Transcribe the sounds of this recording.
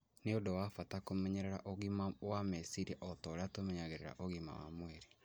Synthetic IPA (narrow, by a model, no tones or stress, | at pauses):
neodowafatakomeɲeɾeɾaʔoɣimawamesiɾiʔɔtɔɾatomeɲaɣeɾeɾa̰ʔoɣima̰wa̰mweɾe